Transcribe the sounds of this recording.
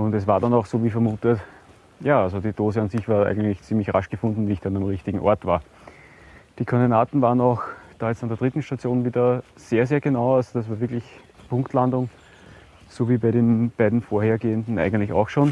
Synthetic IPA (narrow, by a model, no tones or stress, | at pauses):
ʊndɛsvaːɐdanɑʊxsoːviːfɛɐmuːtət | jaːalzodiːd̥oːzəansɪçv̥aːɐæ̰ɪɡən̩tlɪçt͡siːmlɪçʁa̰ʃɡ̥əfʊ̃ndn̩viːçd̥anamʁɪçtɪɡŋ̩ʔɔ̰ɐtv̥aːɐ | d̥iːkʰɔndenaːtn̩vaːʁənaʊxd̥aːjɛt͡standeɐd̥ʁɪtn̩ʃtat͡sjoːnviːdɐseːɐzeːɐɡ̥ənaʊalzod̥asv̥aːvɪɐklɪç | pʰʊ̃ŋktlandʊŋ | soːviːbæɪɾeːnb̥æɪdn̩foːɐheːɐɡeːəndn̩ʔæ̰ɪɡən̩tlɪçɑ̰ʊxʃoːn